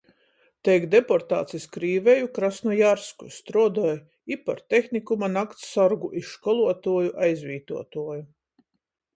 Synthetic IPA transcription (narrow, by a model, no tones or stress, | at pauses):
t̪ɛjkd̪epɔɾt̪a̰ːt̪siskɾiːvejukɾasnujaɾskust̪ɾɔːd̪ɔj | ipːaɾt̪ʲexnikumanakt̪ssɔɾɡuʔiʃkɔlˠuɔt̪uɔjuʔajzvʲiːt̪uɔt̪uɔju